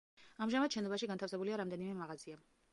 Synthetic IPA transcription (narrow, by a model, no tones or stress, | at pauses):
amʒamad̪ʃɛnɔbaʃiɡant̪ʰafsɛbuliaɾamd̪ɛnimɛmaʁazia